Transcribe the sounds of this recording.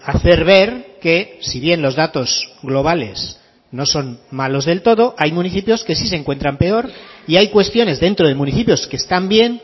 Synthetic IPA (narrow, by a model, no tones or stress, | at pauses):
aθe̞ɾβe̞ɾke̞siβ̞je̞nlo̞zðat̪o̞z̥ɣlo̞β̞ale̞s | no̞so̞nmalo̞zðe̞lt̪o̞ð̞o̞ʔajmũniθipjo̞ske̞sis̬eŋkwe̞nt̪ɾampe̞o̞ɾiajkwe̞st̪jo̞ne̞zðent̪ɾoð̞e̞mũniθipjo̞ske̞ːst̪ambje̞n